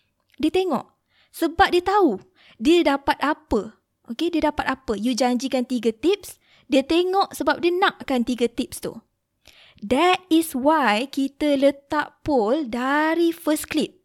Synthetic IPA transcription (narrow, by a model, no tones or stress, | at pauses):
diət̪eŋɔ̰̃ʔ | səbap̚diət̪au | diədapat̪̚apə | ʔokediədapat̪apəjud͡ʒaɲd͡ʒikant̪iɡat̪ip̚s | diət̪eŋɔʔsəbap̚diənãʔkant̪iɡət̪ip̚st̪ṵ | dɛt̪̚iswajkit̪ələt̪aʔpɔldaɾifəsklip̚